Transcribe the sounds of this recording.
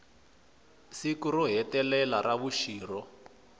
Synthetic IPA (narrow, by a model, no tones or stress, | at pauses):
sikurɔɦɛtɛlɛlaraβuʃiːrɔ